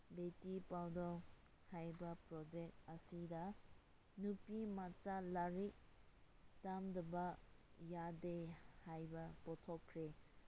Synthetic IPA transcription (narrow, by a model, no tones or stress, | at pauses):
betipawdɔ | hajbɐpɾɔd͡ʒek̚tɐsidɐ | nupimat͡ʃalaɾik̚ | tamdɐbajadehajbɐpɔtʰɔkʰːɾe